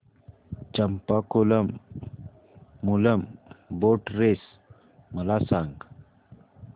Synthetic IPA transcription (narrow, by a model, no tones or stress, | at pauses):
t͡ʃɐmpakolɐm | ulɐmboːʈɾes | mɐlasaŋɡ